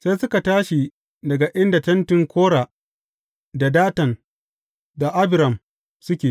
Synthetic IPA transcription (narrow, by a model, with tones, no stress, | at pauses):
sa˦jsʊ˦ka˨taː˦ʃi˨ | dɐ˨ɡa˨ʔɪ˦nda˨tɐ˦ntɪ˨ŋkʰʷoː˦ɽaː˨ | da˨daː˦tɐ˨n | da˨ʔa˦bɪ˨ɾɐ˨m | sʊ˦kʲeː˨